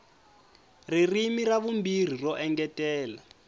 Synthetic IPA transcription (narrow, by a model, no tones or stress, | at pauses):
ririmiraβumbir̤irɔʔɛŋɡɛtʼɛːla